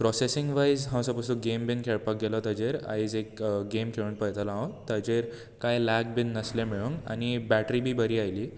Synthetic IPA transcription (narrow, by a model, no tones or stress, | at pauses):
pɾɔsesiŋɡʋajzɦãw̃səpəsuɡembinkʰeɭpak̚ɡelɔt̪əd͡ʑeɾa̰id͡zekɡemkʰeɭuːnpəjt̪alãɦawt̪əd͡ʑeɾ | kajlɛk̚binːəslẽmiɭuŋa̰ñibæʈɾibʱiːbəɾiːajliː